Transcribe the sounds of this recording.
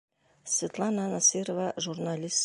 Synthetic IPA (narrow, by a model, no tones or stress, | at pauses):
svʲet̪lˠɑnanasɨɾovɑʒurnalʲis